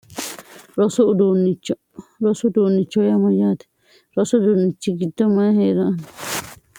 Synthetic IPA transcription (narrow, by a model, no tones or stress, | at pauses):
ɾosud̪unĩt͡ʃo | ɾosud̪unĩt͡ʃojamãjat̪e̥ | ɾosud̪unĩt͡ʃikit̪omãɦeɾãʔn